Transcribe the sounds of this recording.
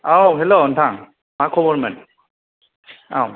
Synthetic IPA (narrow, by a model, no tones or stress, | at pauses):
awɦɛlontʰaŋ | makʰɔbɔɹmɛn | a̰w